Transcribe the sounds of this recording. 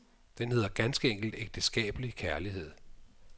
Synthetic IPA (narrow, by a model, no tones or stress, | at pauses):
d̥enhe̝ð̰ˠɐɡ̥ænsɡ̥əeŋ̰ɡ̥l̩d̥eɡ̥̚d̥əsɡ̥ɛ̰ːb̥əlikʰæɐliɦe̝ð̞̰ˠ